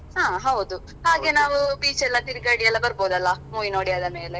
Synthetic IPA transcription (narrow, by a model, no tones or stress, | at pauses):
haːɦɐwud̪u | haːɡenaːʋubiːt͡ʃɛlːɐt̪iɾiɡɐɽijɛlːɐbɐɾboːd̪ɐlːɐmuːinoːɽijaːd̪ɐme̞ːle